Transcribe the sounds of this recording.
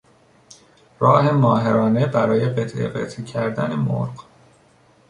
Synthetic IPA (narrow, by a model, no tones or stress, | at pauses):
ɾɒːɦe̞mɒːɦeɾɒːne̞bæɾɒːje̞ɢet̪ʰʔḛɢḛt̪ʰecʰæɾd̪æ̰ne̞mo̰ɾɢ